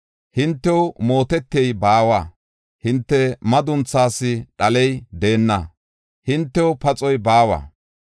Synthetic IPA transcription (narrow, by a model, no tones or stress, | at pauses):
hɪnt̪ːɛwmo̞ːt̪ɛt̪ːɪɛjbaːwa̰ː | hɪnt̪ːɛmɐd̪ʊnt͡sːaːsːɪɗɐlɛjd̪e̞ːnːɐ | hɪnt̪ːɛwʊpɐt͡sʼɔjbaːwa̰ː